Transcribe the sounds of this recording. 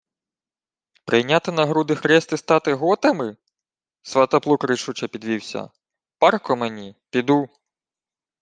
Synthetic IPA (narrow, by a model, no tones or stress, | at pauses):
pɾɪjnʲat̪ɪnɐɦɾud̪ɪxɾɛst̪ɪst̪ɑt̪ɪɦɔt̪ɐmɪ | sʋɐt̪ɐplˠukɾɪʃut͡ʃɐpʲid̪ʋʲiwsʲɐ̰ | pɑrkɔmenʲipʲid̪u